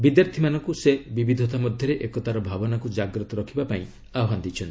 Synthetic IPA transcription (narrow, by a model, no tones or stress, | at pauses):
bid̪jaɾt̪ʰimanɔŋkusebibid̪ʱɔt̪amɔd̪ʱjɔɾeʔekɔt̪aɾɔbʱabɔnakud͡ʒaɡɾɔt̪ɔɾɔkʰibapaĩ | aɔɦand̪it͡ʃʰɔnt̪